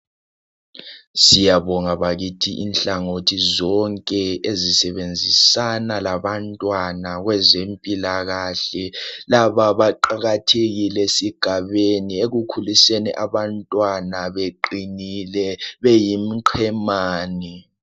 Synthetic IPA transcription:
sijaβɔŋaβaɣitʰiʔinɬaŋotʰizɔŋkʼɛezisɛβend͡zʱisanalaβantʼwanaɣwɛzempʼilaɣaɬɛlaβaβaǃaɣatʰeɣilesiɡ̥ʱaβenieɣukʰulisenḭʔaβantʼwanaβeǃinilɛβejimiǃʰɛmaːni

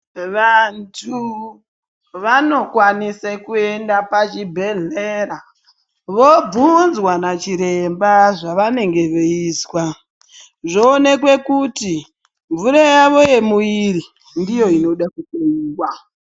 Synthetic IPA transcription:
ʋantʰu | ʋano̞kwanisekue̞ndapat͡ʃibʱe̞ɮeɾa | ʋo̞b͡vunzwanat͡ʃiɾe̞mbaʐaʋane̞ŋɡe̞ʋeiːswa | ʐo̞ːne̞kwe̞kuti | ɱvuɾajaʋo̞je̞muiri | ndijo̞ino̞ɗakukeiːwwa

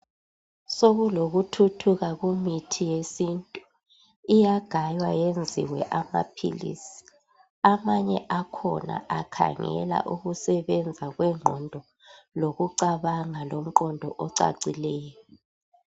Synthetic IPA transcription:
soɣuloɣutʰutʰuɣaɣumitʰijesintʼu | ijaɡ̥ʱajwajend͡zʱḭwɛ̰ʔama̰pʰḭlḭsi̥ | amaɲɛʔakʰɔ̰na̰ʔakʰa̰ŋɛ̰la̰ʔuɣusɛβɛnd͡zʱaɣwɛŋ͡ǃʱɔndʱɔ | loɣuǀaβaŋalom̩ǃɔndʱɔʔɔǀa̰ǀilɛːjɔɔ

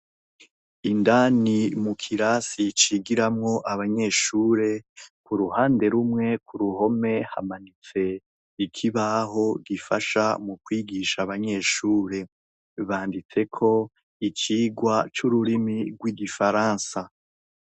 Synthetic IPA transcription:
indaːnimukʰiɾaːsit͡ʃiːɡiɾamŋo̞ʔaβaɲe̞ʃuːɾe̞kuɾuhaːnde̞ɾumŋe̞kuɾuho̞me̞ha̰manit͡se̞ | ikʰiβaɦo̞ɡifaʃa̰mukwiːɡiʃaβaɲe̞ʃuːɾe̞ | βaːndit͡se̞kʰo̞ | it͡ʃiːɡwat͡ʃuɾuɾimiɡwiɡifaɾaːnsa

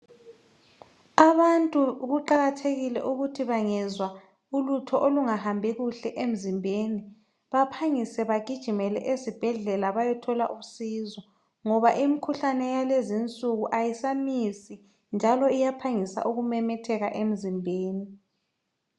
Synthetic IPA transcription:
aβantʼuɣuǃaɣatʰeɣilɛ̰ʔuɣutʰiβaŋɛzwa | ulutʰɔʔoluŋahambʱɛɣuɬɛʔem̩zimbʱeːni | βapʰaŋisɛβaɡ̥ʱid̥ʒ̥ʱimɛlɛ̰ʔesib̥ʱɛɮɛlaβajɛtʰɔlaʔusizɔ | ŋɔβaʔimikʰuɬanɛjalezint͡sʼuɣuʔajisamisi | nd͡ʒʱalɔijapʰaŋisa̰ʔuɣumɛmɛtʰɛɣaʔem̩zimbʱeːni

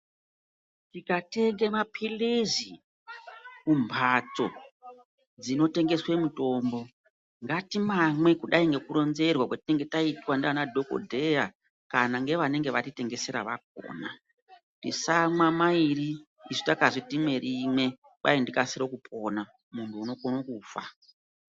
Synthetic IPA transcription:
tikateŋɡemapʰilizi | kumbʰʱat͡so̞ | d͡zino̞te̞ŋɡe̞swe̞muto̞ːmbo̞ | ŋɡatimamwe̞kuɗaiŋɡe̞kuɾo̞nze̞rwakwatine̞ŋɡe̞taitwandanadʱo̞ko̞̰dʱe̞a | kanaŋɡe̞ʋane̞ŋɡeʋatite̞ŋɡe̞se̞ɾa̰ʋaɡ̥̚ʱo̰ːna | tisamwamairiː | ʐitakaʐitime̞rime̞ | ɓa̰indikasiɾokupʰo̞na | muntʰuːno̞konokufa̰

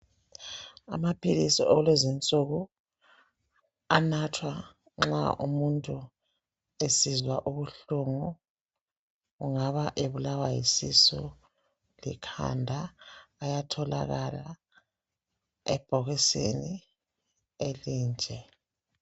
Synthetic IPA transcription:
a̰mapʰilisiʔɔlezint͡sʼoɣu | anatʰwa | ŋ͡ǁa̰ʔumuntʼu | esizwaʔuβuɬuŋu | uŋaβaʔeβulawajḭsisṵ | lḭkʰa̰ndʱaːjatʰɔla̰ɣala | ɛ̰b̥ʱɔɣisḛni | eliːnd͡ʒʱɛ

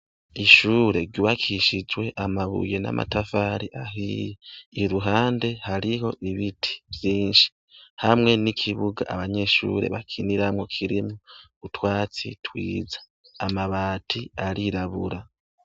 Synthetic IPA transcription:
iʃuːɾe̞ɾɟuβakʰiʃid͡ʒwe̞ʔamaβṵje̞na̰mʔa̰tafaɾiʔaɦijeiɾuɦaːnde̞haɾiɦo̞ʔiβitʰi̥vjiːnʃi̥ | hamŋe̞nikʰiβuɡa̰ʔaβaɲe̞ʃṵːɾe̞̰βakʰiniɾamŋokʰiɾimu | utwaːt͡sḭtwḭːzḁː | maβaːtʰiaɾiɾaβuɾa

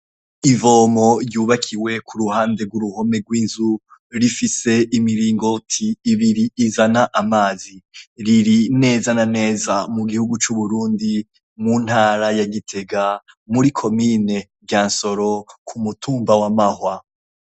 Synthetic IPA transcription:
ivo̞ːmo̞juːβakʰiwe̞kʰuɾuhaːnde̞ɡwuɾuho̞me̞ɡwiːnzu | ɾifise̞ʔimiɾiːŋɡo̞tʰiːβiɾiːzanaʔamaːziɾiɾine̞ːzanane̞ːzamuɡihuɡut͡ʃuβuɾuːndi | mun̥haːɾajaɡitʰe̞ɡa | muɾikʰo̞mine̞bjaːnso̞ɾo̞kʰumutʰuːmbawamahwa

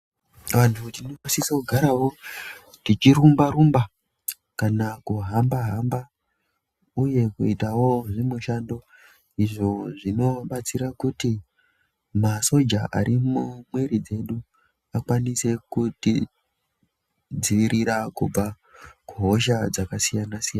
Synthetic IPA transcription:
ʋantʰutinoisisakuɡʱaɾawo̞ | tit͡ʃiɾumbaɾumba | kanakuɦambaɦamba | uje̞kuitawo̞ʐimuʃando̞ | iʐo̞ʐino̞ɓat͡siɾakuti | maso̞d͡ʒaʔa̰ɾimumweɾid͡ze̞ɗu | akwanise̞kuti | d͡ziʋiɾʔiɾakub͡va | kuɦo̞ʃad͡zakasijanasijana

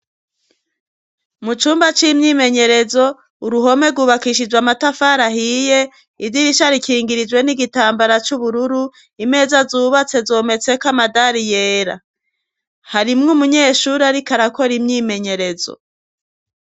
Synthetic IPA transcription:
mut͡ʃuːmbat͡ʃimɲiːme̞ɲe̞ɾe̞zo̞ | uɾuɦo̞me̞ɡuβakiʃid͡ʒwamatafaɾaɦije̞ | ivɟiɾiʃaɾikiːŋɡiɾid͡ʒwe̞niɡitaːmbaɾat͡ʃuβuɾuɾu | ime̞ːzazuːβat͡se̞zo̞ːme̞t͡se̞kamadaɾijeːɾa̰ | haɾimŋumuɲe̞ːʃuːɾiaɾikaɾako̞ɾimɲiːme̞ɲe̞ɾe̞zo̰

